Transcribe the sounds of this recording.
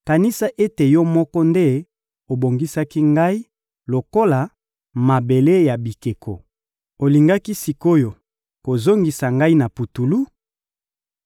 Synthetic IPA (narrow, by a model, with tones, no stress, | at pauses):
ka˨ni˦sa˦ʔe˦te˨jɔ˦mɔ˦kɔ˦nde˦ | o˨bo˨ŋɡi˦sa˦ki˦ŋɡa˦i˦ | lo˨ko˦la˨ | ma˨be˨le˦ja˨bi˨ke˨kʰo̰˨ | o˨li˨ŋɡa˦ki˦si˨ko˦jo˨ | ko˨zo˦ŋɡi˨sa˨ŋɡa˦i˦na˨pu˨tu˨lu˦